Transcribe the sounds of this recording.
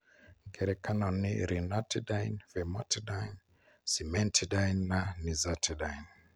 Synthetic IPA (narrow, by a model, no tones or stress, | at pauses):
ŋɡɛɾɛkanɔnːḭɾinatidainvɛmɔtʰidajn | simɛntʰidajnːanizatʰidain